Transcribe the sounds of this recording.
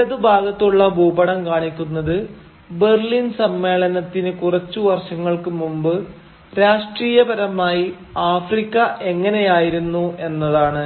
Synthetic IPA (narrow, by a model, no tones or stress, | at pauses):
ɐðubʱaːɡɐt̪ːuɭːɐbʱuːbɐɽɐmkaːɳikʲːunːɐðɨ | be̞rɭinsɐmːe̞ːɭɐnɐt̪ːinɨkurɐt͡ɕːuʋɐrɕɐŋːɐɭkɨmumbɨ | ɾaːʂʈriːjɐbɐɾɐmaːji | aːfrikʲːɐʔe̞ŋːɐne̞jaːjiɾunːue̞nːɐðaːɳɨ